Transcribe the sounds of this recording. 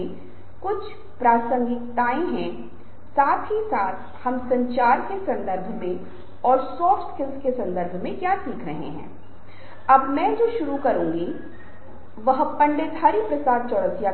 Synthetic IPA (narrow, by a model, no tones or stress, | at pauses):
kʊt͡ʃʰ | pɾaːsə̃ŋɡɪt̪aːẽɦɛ̃ | saːt̪ʰɦisaːt̪ʰhɐmsɐ̃ɲt͡ʃaːɾkesɐ̃nd̪əɾbʱmẽ | ɔːɾsɔːfʈskɪlzkesɐ̃nd̪əɾbʱmẽkjaːsiːkʰɾɐɦḛɦɛ̰̃ː | ɐbmɛ̃ːd͡ʒoːʃʊɾukɐɾũːŋɡi | ʋɐɦpɐ̃ɳɖɪt̪hɐɾipɾɐsaːd̪̚t͡ʃɔɽəsja